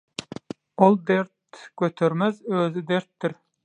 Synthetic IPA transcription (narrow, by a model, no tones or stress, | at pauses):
olˠd̪eɾt̪̚kʲøt̪ʰøɾmæzøzɪd̪eɾt̪ːɪɾ